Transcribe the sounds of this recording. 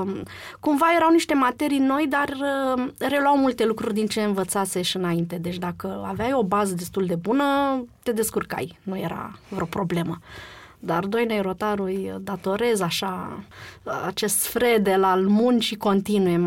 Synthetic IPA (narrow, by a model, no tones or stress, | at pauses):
kumvaje̞ɾawniʃt̪e̞mat̪e̞ɾijno̞jd̪ar | ɾe̞lwawmult̪e̞lukɾurʲd̪int͡ʃe̞ɨnvət̪sase̞ʃɨnaint̪e̞d̪e̞t͡ʃʲd̪akəaveajo̞bazəd̪e̞st̪uld̪e̞bunət̪e̞d̪e̞skurka̰jnuje̞ɾa̰vɾeo̞pɾo̞ble̞məd̪ard̪o̞jnejɾo̞t̪aɾujd̪at̪o̞ɾe̞zaʃa | a̰t͡ʃe̞st̪fɾe̞d̪elalmunʃiko̞nt̪inuje